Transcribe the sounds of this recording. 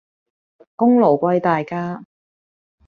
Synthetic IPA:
kʊ˥ŋlo˨˩wkʷɐ˧jt̪aː˨jkaː˥

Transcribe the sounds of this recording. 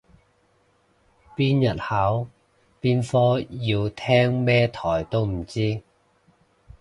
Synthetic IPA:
piː˥njɐ˨t̚ha˨˥w | piː˥nfɔː˥jiː˧wt̪ʰɛː˥ŋmɛː˥t̪ʰɔː˨˩jt̪o˥wm̩˨˩t͡siː˥

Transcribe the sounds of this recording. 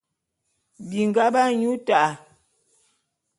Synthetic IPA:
bi˨ŋ˨ɡa˦ba˦ɲu˦ta˨ʔa˨

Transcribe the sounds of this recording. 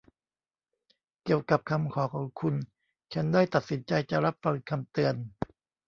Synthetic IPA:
ki˨˩əwka˨˩p̚kʰa˧mkʰɔː˩˦kʰɔː˩˦ŋkʰu˧n | t͡ɕʰa˦˥ndaː˥˩jt̪a˨˩t̪̚si˩˦nt͡ɕa˧jt͡ɕa˨˩ɾa˦˥p̚pːa˧nkʰa˧mt̪ɯ˧ən

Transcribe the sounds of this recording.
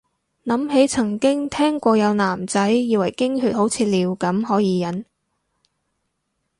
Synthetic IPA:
nɐ˨˥mɦe˨˥jt͡sʰɐ˨˩ŋkɪ˥ŋt̪ʰɛː˥ŋkʷɔː˧jɐ˨˧wnaː˨˩mt͡sɐ˨˥jːiː˨˧wɐ˨˩jkɪ˥ŋhyː˧˥t̚ho˨˥wt͡sʰiː˧t̚liː˨˧wkɐ˨˥mɦɔː˨˥jiː˨˧jɐ˨˥n

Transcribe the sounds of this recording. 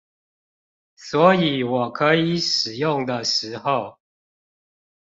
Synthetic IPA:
swɔ˨˧˥i˨˦wɔ˨˩kʰɤ˧˦i˨˩˦ʂɻ̩˨˩jʊ˥˨ŋd̪ə˨ʂɻ̩˨˧˦xo˨ʊ

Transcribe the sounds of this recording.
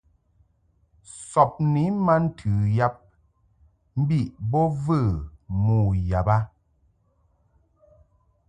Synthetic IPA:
sɔ˨p̚ni˨˦ma˦n̩˦tʰʉ˨ja˦p̚ | m̩˦bi˦˨ʔbɔ˦və˦˨muː˦˨ja˨ba˦

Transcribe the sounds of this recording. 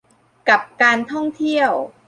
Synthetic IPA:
ka˨˩p̚kaː˧nt̪ʰɔ˥˩ŋt̪ʰi˥˩əw

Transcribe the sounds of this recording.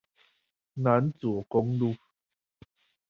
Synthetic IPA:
na˨˦nt͡su˨o˨˦kɔ˦ŋlu˦˧

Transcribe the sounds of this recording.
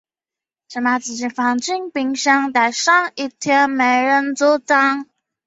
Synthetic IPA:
ʈ͡ʂə˧˩ma˧˩t͡sɹ̩˧˩t͡ɕi˧˩fɑ˧˩ŋt͡ɕi˥˩ŋpi˧ŋɕjɑ˥ŋt̪a˧˩ɪʂɑ˥˩ŋi˧˩t̪ʰjɛ˥nme˧˥ɪɻə˧˥nt͡sɔ˥ʈ͡ʂɑ˥ŋ

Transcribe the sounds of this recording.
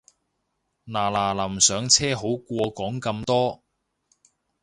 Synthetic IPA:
naː˨˩laː˨˩lɐ˨˩msœː˨˧ŋt͡sʰɛː˥ɦo˨˥wkʷɔː˧kɔː˨˥ŋkɐ˧mt̪ɔː˥

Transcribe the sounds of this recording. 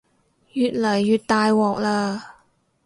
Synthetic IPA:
jyː˨˩t̚lɐ˨˩jːyː˨t̚t̪aː˨˧jwɔː˨˩k̚laː˧

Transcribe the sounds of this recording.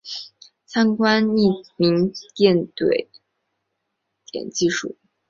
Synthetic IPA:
t͡sʰa˥nkwa˥ni˥˩mi˧˥ŋt̪jɛ˥˩nt̪we˨˩ɪ | t̪jɛ̰˨˩nt͡ɕi˥˧ʂṵ˥˩

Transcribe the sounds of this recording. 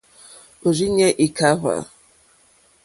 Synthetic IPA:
o˨zi˦ɲe˦ʔi˨ka˦ɦa̰˨

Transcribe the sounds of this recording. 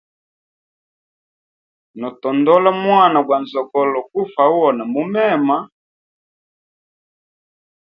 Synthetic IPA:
nɔ˨tɔ˨ndɔ˦la˦mwa˦˨na˨ɡwa˨nzɔ˨kɔ˨lɔ˨ku˦fa˨u˦ɔ˨na˨mu˦mɛ˦˨ma˦

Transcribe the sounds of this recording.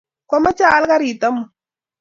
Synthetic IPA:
kwa˦ma˦t͡ʃa˦˨˦lka˦ɾi˨t̪a˦mu˨

